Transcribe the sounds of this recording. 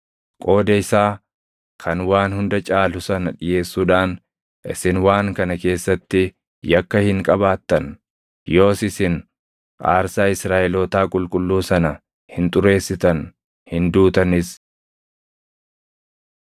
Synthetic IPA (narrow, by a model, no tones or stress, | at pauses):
kʼo̞ːd̪ɐɪsaː | kʰɐnwaːnhʊnd̪ɐt͡ʃʼaːlʊsɐnɐᶑɪje̞ːsːuːᶑaːn | ʔɪ̰sɪnwaːŋkɐnɐke̞ːsːɐt̪ːɪ | jɐkːɐhɪŋkʼɐbaːt̪ːɐn | jo̞ːsɪsɪn | kʼaːɾsaːɪsɾaːʔɛloːt̪aːkʼʊlkʼʊlːuːsɐnɐ | hɪnt̪ʼʊɾe̞ːsːɪt̪ɐn | hɪnd̪uːt̪ɐnɪs